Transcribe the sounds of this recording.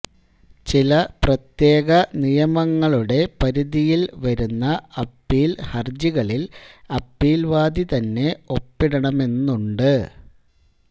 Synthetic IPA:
t͡ɕilɐprɐt̪je̞ːɣɐnijɐmɐŋːɐɭuɽe̞pɐɾuðijilʋɐɾunːɐɐpːiːlhɐrd͡ʑiɣɐɭilɐpːiːlʋaːd̪it̪ɐnːe̞o̞pːiɽɐɳɐme̞nːuɳɖɨ

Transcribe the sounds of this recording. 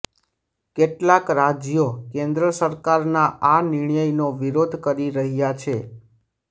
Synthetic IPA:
keʈlakɾad͡ʒjokẽnd̪ɾəsəɾkaɾnaʔanɪɳjəjnoʋiɾod̪ʱkəɾiɾəɦjat͡ʃʰe

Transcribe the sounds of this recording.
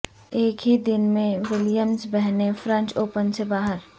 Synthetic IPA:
eːkɦid̪ɪnmẽwɪlijəmsbɛɦnefɾə̃ɲt͡ʃoːpənsebaːɦəɾ

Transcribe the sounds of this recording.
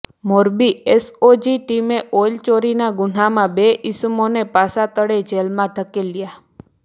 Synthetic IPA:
moɾbiesod͡ʒiʈimeʔojlt͡ʃoɾinaɡʊn̤amãbeʔismonepasat̪əɽed͡ʒelmãd̪ʱəkelːja

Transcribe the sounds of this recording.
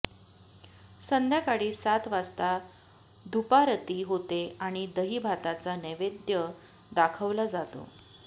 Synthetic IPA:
sənd̪ʱjakaɽiːsat̪ʋast̪a | d̪ʱupaɾət̪iːɦot̪eaɽ̃id̪əɦiːbʱat̪at͡saneʋed̪jə | d̪akʰəʋlad͡zat̪o̰

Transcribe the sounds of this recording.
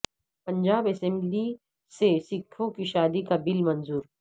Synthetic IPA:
pɐ̃ɲd͡ʒaːbɛsɛ̃mbli | sesɪkʰːõkiʃaːd̪ikabɪlmɐ̃nzuːɾ

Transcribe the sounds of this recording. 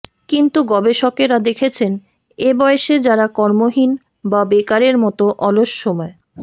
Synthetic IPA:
kint̪uɡɔbeʃɔkeɾad̪ekʰet͡ɕʰen | ebɔeeʃed͡ʑaɾakɔɾmoɦin | babekaɾeɾmɔt̪oʔɔloʃːɔmɔe

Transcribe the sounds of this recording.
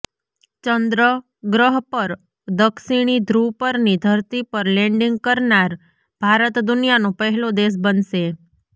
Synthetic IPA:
t͡ʃənd̪ɾə | ɡɾəɦpəɾ | d̪əkʃiɽ̃id̪ʱɾupəɾnid̪ʱəɾt̪ipəɾlɛ̃ɳɖiŋɡ̚kəɾnaɾ | b̥ʱaɾət̪d̪ʊnijanopəɦɛlod̪es̬bənʃe

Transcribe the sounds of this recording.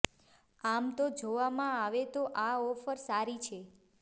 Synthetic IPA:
amt̪od͡ʒoʋamãaʋet̪oʔaɔfəɾsaɾit͡ʃʰe

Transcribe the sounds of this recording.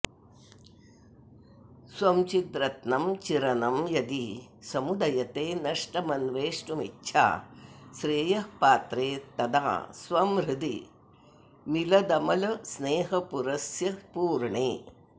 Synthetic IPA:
swɐmt͡ʃit̪ɾɐt̪nɐmt͡ʃiɾɐnɐmjɐd̪isɐmud̪ɐjɐt̪eːnɐʂʈɐmɐnʋeːʂʈumitːʃʰa̰ːʃɾeːjɐhpaːt̪ɾeːt̪ɐd̪a̰ːsʋɐmɾɪd̪ḭ | milɐd̪ɐmɐlɐsneːɦɐpuɾɐsjɐpuːɾɳeː

